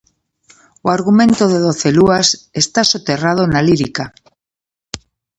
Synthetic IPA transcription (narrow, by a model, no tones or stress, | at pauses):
oaɾɣumẽnt̪oðeðo̞θeluasest̪asot̪erað̞onaliɾika